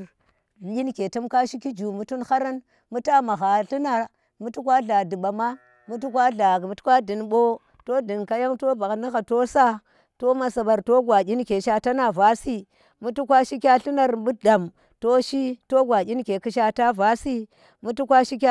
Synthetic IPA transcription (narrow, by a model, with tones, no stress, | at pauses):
i˦nke˨tu˦mka˦ʃi˦ki˦d͡ʒu˨mu˦tu˦nxa˦ɾa˦n | mu˦ta˦ma˨ɣa˨ɬi˦na˨ | mu˦tu˦kʷa˦ɮa˨di˨ɓa˨ma˦ | mu˦t̬u˦kʷa˦ɮa˨m˨˦tkʷa˦di˨nɓo˦ | to˦di˨nka˦ja˦ŋto˦ba˨kna˦ɣa˨to˦sa˦ | to˦ma˨sa˨ɓa˨ɾto˦ɡʷa˨ɡʲi˦nke˨ʃa˦ta˦na˨va˦si˦ | mu˦tu˦kʷa˦ʃi˦kʲa˦ɬi˦na˦ɾbu˦da˨m | to˦ʃi˦to˦ɡʷa˨ɡʲi˦nke˨ki˦ʃa˦ta˦va˦si˦ | mu˦tu˦kʷa˦ʃi˦k̬ʲ